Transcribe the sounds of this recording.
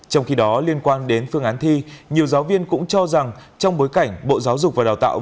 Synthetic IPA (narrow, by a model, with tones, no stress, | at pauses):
t͡ɕɔ˧wŋ͡mxi˧ɗɔ˨˦li˧ənkwaː˧nɗe˨˦nfɨ˧əŋʔaː˨˦nt̪ʰi˧ɲi˨˩əwzaː˨˦wvi˧ənkʊ̰˧˥ŋ͡mt͡ɕɔ˧za˨˩ŋt͡ɕɔ˧wŋ͡mɓo˨˦jka˧˩jŋ̟ɓo̰˧˨zaː˨˦wzʊ˨˩k͡p̚vaː˨˩ɗaː˨˩wt̪a̰ː˧˨w